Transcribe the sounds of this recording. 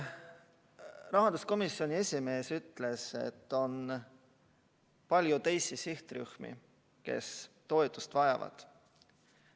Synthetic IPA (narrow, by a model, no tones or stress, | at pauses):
rɑɦɑnd̪usko̞misːio̞nʲie̞sʲime̞ːsyt̪ːˑle̞se̞̰t̪ːo̞n | pɑlʲjut̪e̞jsisiht̪ryhmḭ | ke̞̰st̪o̞et̪ːˑust̪vɑjɑ̰vɑ̰d̪̥